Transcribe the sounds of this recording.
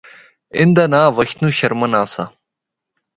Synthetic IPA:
ɪnd̪anaːʋɐɕt̪nuɕɐɾmɐnaːsa̰

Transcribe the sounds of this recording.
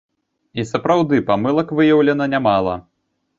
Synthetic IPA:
isɐpɾawd̪ɨpamɨlˠɐkvɨjɐwlʲɛnɐnʲamalˠɐ̰

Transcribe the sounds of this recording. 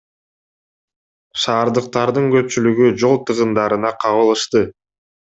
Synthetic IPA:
ʃɑːɾd̪ɯq̚t̪ɑɾd̪ɯŋɡø̞p̚t͡ʃylyɡyd͡ʒo̞lˠt̪ɯʁɯnd̪ɑɾɯnɑqʰɑβɯlˠɯʃt̪ɯ

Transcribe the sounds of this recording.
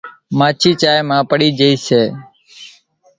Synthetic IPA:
mãːt͡ʃʰiːt͡ʃaːjmãːpəɽiːd͡ʒəiːseː

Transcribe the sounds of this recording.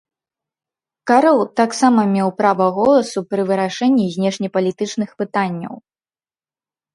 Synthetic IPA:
kaɾɛlˠt̪aksamɐmʲɛwpɾavɐɣɔlˠɐsupɾɨvɨɾaʂɛnʲːizʲnʲɛʂnʲɛpɐlʲit̪ɨt͡ʂnɨxpɨt̪anʲːɐ̰w

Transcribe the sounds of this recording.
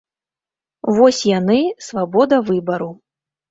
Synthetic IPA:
vɔsʲjanɨsvabɔd̪ɐvɨbɐɾu

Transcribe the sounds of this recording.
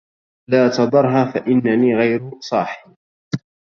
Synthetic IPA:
laːt̪ɑd̪ˤɑɾˤɦaːfaʔɪnːaniːɣajɾsˤɑːħɪb

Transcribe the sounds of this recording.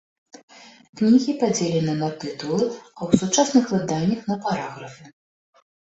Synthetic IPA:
knʲiɣʲipad͡zʲelʲɛnɨnɐt̪ɨt̪ulˠɨɐwsut͡ʂasnɨxlɨd̪anʲːɐxnɐpaɾaɣɾɐfʲɛ

